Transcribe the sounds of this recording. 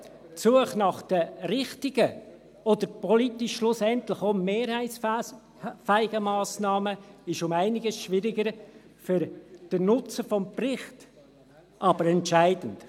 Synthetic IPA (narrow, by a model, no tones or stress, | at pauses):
tsuəχnɑχd̥əɾɪχtɪɡə | ɔd̪əɾpʰɔlitɪʃʃlʊsɛntlɪχomːeːɾhæɪs | fæɪɡəmɑːsnɑːməɪʃʊmæɪnɪɡəsʃʋɪɾɪɡəɾ | fʏɾd̥ənʊt͡səfɔmprɪχt | ʔɑb̥əɾɛntʃæɪdən̩t